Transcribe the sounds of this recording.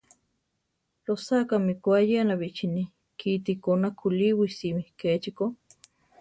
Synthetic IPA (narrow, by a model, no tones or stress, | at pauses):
losakamikʷajeanaβiʔt͡ʃini | kit̪ikonakʰuliwisimihkeːt͡ʃiko